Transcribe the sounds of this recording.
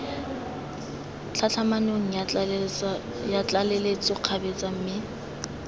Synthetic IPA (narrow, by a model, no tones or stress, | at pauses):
t͡ɬʰat͡ɬʰamanoŋ̩j | jat͡ɬalelet͡sʼʊq͡χʰabet͡sʼam̩mɪ